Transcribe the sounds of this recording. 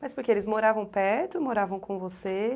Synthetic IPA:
mɐspoɾkeelɪzmoɾavɐ̃w̃pɛɾt̪ʊmoɾavɐ̃w̃kõvose

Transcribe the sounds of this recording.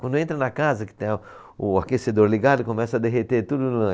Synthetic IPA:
wɐ̃nd̪ʊẽt̪ɾɐnɐkazɐkɪ̥t̪ẽj̃ʊ | ʊakesed̪oɾliɡad̪ʊɪkõmɛsɐd̪eɦet̪et̪ud̪ʊnɐ̃

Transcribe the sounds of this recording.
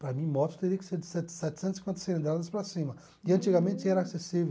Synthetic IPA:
pɾɐmĩmɔt͡ʃ̪ʊ̥t̪eɾiɐkɪ̥seɾd͡ʒsɛt̪sɛt̪ɪ̥sẽt̪si̥kwẽnt̪ɐseẽd̪ɾad̪ɐspɾɐsĩmɐ | ɪɐ̃nt͡ʃiɡɐmẽnt͡ʃɪɛɾɐasesive

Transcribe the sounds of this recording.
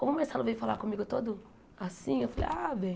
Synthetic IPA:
kõmʊmeɾsalʊvejʊfalakõmiɡʊt̪od̪ʊ | asĩewfalḛjabẽj̃

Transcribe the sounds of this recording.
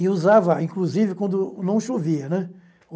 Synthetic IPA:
ɪuzavɐaĩŋkluzivɪkwɐ̃nd̪ʊnɐ̃w̃ʃoviɐnɛ

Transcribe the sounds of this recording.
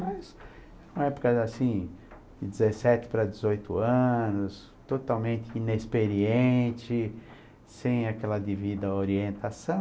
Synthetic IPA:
mas | ɛ̃ũmɐɛpʊ̥kɐasĩ | d̪ɪd͡ʒ̪ɪzesɛt̪ɪ̥pɾɐd̪ɪzojt̪ʊɐ̃nʊs | t̪ot̪awmẽnt̪ɪinespeɾiẽt͡ʃɪ | sẽj̃akɛlɐd̪evid̪ɐoɾiẽnt̪asɐ̃

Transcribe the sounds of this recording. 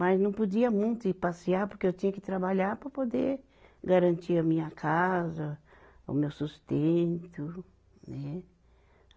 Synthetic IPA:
maznɐ̃w̃pod͡ʒiɐmũj̃t̪ʊɪpasiaɾpoɾkeewt͡ʃĩɲɐkɪt̪ɾabaʎaɾpɾɐpod̪e | ɡaɾɐ̃nt͡ʃiɾɐmĩɲɐkʰazɐ | ʊ̰mewsust̪ẽnt̪ʊ | nɛ

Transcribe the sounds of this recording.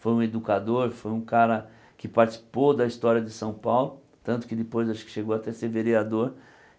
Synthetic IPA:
fojũed̪ukad̪oɾfojũkaɾɐ | kɪpaɾt͡ʃi̥si̥pod̪ɐist̪ɔɾiɐd͡ʒ̪ɪsɐ̃w̃pawlʊ | t̪ɐ̃nt̪ʊ̥kɪd̪ɪpojzaʃkɪ̥ʃeɡowat̪ɛseɾveɾiad̪oɾ

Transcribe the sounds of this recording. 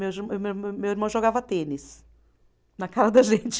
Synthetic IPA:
ewɾwmewiɾmɐ̃w̃ʒoɡavɐt̪ẽnɪs | nɐkaɾɐd̪ɐʒẽt͡ʃ

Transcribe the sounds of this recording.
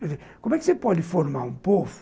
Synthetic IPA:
ɛvekõmwɛkɪ̥sepɔd̪ɪfoɾmaɾũpofʊ̥

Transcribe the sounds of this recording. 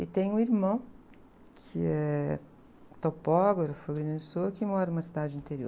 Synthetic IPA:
ɪt̪ẽj̃ũiɾmɐ̃w̃ | kʰɪɛ | t̪opɔɡɐɾʊfɐɡɾinɐɪsoɐkɪmɔɾɐnũmɐsid̪ad͡ʒɪĩnt̪eɾio̰

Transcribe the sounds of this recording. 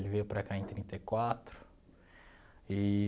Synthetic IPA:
lvewpɾakaẽt̪ɾĩnt̪ekwat̪ɾʊ̥ | i

